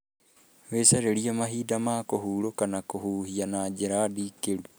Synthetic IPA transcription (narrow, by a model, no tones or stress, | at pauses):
wesaɾeɾiamaɦiːdamaːkoɦuːɾokanakohuːhianaːd͡ʒeɾadiːkeɾu